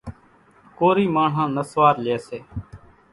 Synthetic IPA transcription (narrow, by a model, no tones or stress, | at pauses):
koːɾiːmaːɳ̤ɦãːnəsʋaːɾleːseː